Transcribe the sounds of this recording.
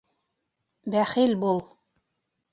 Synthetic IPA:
bæχilbulˠ

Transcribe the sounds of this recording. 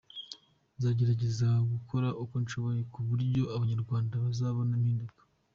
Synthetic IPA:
nzaːɟe̞ɾaɟe̞zaɡukʰo̞ɾaʔukonʃo̞βo̞je̞kuβuɾɟo̞aβaɲaɾɡwaːndaβazaːβonamhiːndukḁ

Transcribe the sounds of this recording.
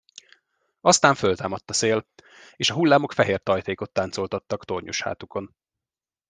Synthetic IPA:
ɒst̪aːɱfølt̪aːmɒt̪ːɒseːl | eːʃɒɦulːaːmo̞kfɛɦeːrt̪ɒjt̪eːko̞t̪ːaːnt̪so̞lt̪ɒt̪ːɒkt̪o̞rɲʔṵʃha̰ːt̪uko̞n

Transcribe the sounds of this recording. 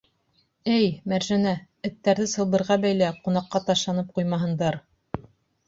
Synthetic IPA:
ɘjmæɾʒænæ | ɘ̆t̪ːæɾðɘsɤ̆lˠβbɤ̆ɾʁɑbæjlæqunɑqːɑt̪ɑʃɑnɤp̚qujmɑɦɤ̆nd̪ɑɾ

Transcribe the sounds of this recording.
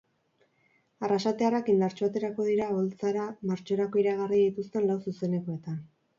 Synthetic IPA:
arasat̪e̞arakind̪aɾt͡ʃo̞at̪e̞ɾako̞ðiɾaβo̞lt͡saɾamaɾt͡ʃo̞ɾakoiɾaɣ̞ariðit̪ust̪e̞nlawsuse̞ne̞ko̞e̞t̪an

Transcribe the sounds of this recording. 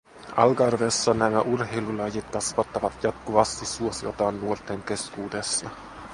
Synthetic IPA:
ɑ̰lɡɑrʋesːɑnæmæʔurɦe̞jlulɑjit̪kɑsʋɑt̪ːɑʋɑt̪jɑt̪kuʋɑst̪isːuosiot̪ɑːnːuort̪eŋke̞skuːde̞sːɑ

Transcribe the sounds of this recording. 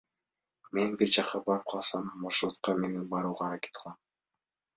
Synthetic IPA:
me̞nbiɾd͡ʒɑqɑbɑɾɯp̚qʰɑlˠsɑmbɑɾʃɾˠut̪̚qɑmenenbɑɾuːʁɑɾakʲe̥t̪ʰɑlˠɑm

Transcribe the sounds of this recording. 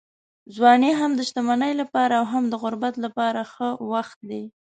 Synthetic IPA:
zwɑneɦamd̪əʃt̪amanəjlapɑɾaːwɦamd̪əɣʊɾbat̪lapɑɾaxəwaxt̪̚d̪e

